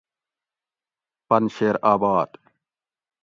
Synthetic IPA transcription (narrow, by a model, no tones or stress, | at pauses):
pɐnɕeːɾaːbaːd̪